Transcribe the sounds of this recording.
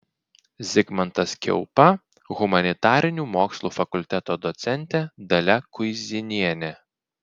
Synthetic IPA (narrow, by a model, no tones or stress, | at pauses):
zʲɪɡmɐnt̪ɐskʲɛ̰ʊpɐ | ɣʊmɐnʲɪt̪ɑːɾʲɪnʲuːmoːkslˠuːfɐkʊlʲt̪ʲɛt̪oːd̪ɔt̪sʲɛnʲt̪ʲɛd̪ɐlʲɛkʊɪzʲɪnʲiɛnʲɛ